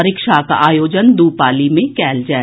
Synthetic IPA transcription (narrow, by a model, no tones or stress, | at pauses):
ɐɾɪkʃaka̰ʔaːjoːd͡ʒənd̪uːpaːlimẽkɛːld͡ʒaːɛ